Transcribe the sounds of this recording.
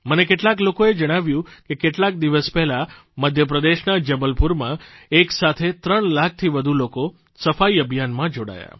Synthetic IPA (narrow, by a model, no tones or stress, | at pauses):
mənekeʈlaklokoed͡ʒəɽ̃aʋjũkekeʈlak̚d̪iʋəspɛɦla | məd̪ʱjəp̬ɾəd̪eʃnad͡ʒəbəlpuɾmãeksat̪ʰet̪ɾəɳlak̚ʰt̪ʰiʋəd̪ʱuloko | səfaiəbʱjanmãd͡ʒoɽa̰ja̰